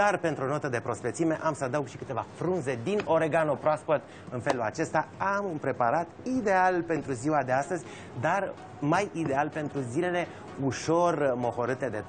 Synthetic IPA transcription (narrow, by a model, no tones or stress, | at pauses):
d̪arpe̞nt̪ɾuo̞not̪əd̪e̞pɾo̞spet̪sime̞ʔamsəad̪auɡʃi̥kɨt̪e̞va̰fɾunze̞d̪ino̞ɾe̞ɡanopɾoaspot̪ | ɨnfelula̰t͡ʃe̞st̪aamunpɾe̞paɾat̪id̪e̞alpe̞nt̪ɾuziwad̪e̞ast̪əzʲ | d̪ar | majid̪e̞alpe̞nt̪ɾuzile̞le̞ | uʃo̞rmo̞ho̞ɾɨt̪e̞d̪e̞